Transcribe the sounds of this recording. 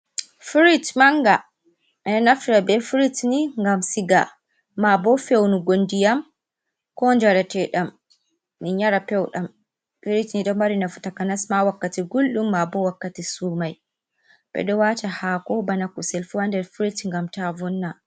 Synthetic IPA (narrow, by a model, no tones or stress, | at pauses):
fiɾitmaŋɡa | ɛnafɾabɛfiɾitniŋɡamsiɡa | mabɔfewnuɡondijam | kɔnd͡ʒaɾatɛɗamː | iɲaɾapɛwɗam | fiɾitniɗɔmaɾinafu̥takanasmawakːatiɡulɗumːabɔwakːatisuːmaj | ɓɛ̰ɗɔwatahakɔbanakusɛlfuwandɛɾfiɾitŋɡamtavɔnːa